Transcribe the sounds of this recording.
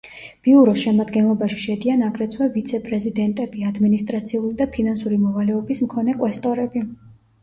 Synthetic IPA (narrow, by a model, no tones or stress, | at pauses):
b̥iuɾɔʃɛmad̪ɡɛnlˠɔbaʃi̥ʃɛd̪ianaɡɾɛt̪sʰwɛvit̪sʰɛpʼɾɛzid̪ɛnt̪ʼɛbiad̪minist̪ʼɾat̪sʰiulid̪apʰinansuɾimɔvalɛɔbismkʰɔnɛkʼwɛst̪ʼɔɾɛbi